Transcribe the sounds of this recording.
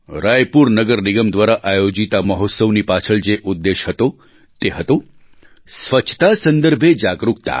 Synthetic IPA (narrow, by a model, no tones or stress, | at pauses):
ɾajpuɾnəɡəɾnɪɡəmd̪ʋaɾaʔajod͡ʒit̪aməɦot̪səʋnipat͡ʃʰəɭd͡ʒeʔud̪ːeʃɦət̪o | t̪eɦət̪o | sʋət͡ʃʰt̪asənd̪əɾbʱed͡ʒaɡɾuk̚t̪a̰